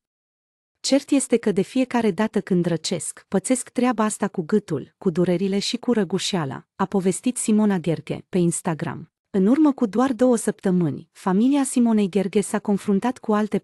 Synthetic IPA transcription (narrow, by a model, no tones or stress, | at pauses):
t͡ʃe̞rt̪je̞st̪e̞kəd̪e̞fije̞kaɾe̞d̪at̪əkɨnd̪ɾət͡ʃe̞skpət̪se̞skt̪ɾeabaast̪akuɡɨt̪ulkud̪uɾe̞ɾile̞ʃikuɾəɡuʃiala̰apo̞ve̞st̪it̪simo̞naɡ̪e̞rɡʲe̞̰pe̞inst̪aɡɾa̰m | ɨnurməkud̪oard̪o̞wəsəpt̪əmɨnʲfamiliasimo̞ne̞jd̪erɡʲe̞sako̞nfɾunt̪at̪kualt̪e̞